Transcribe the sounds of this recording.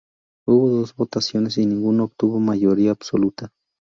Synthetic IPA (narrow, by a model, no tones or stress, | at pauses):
uβoðosbot̪asjonesinɪŋɡunaop̚t̪uβomajoɾiaːbsolut̪a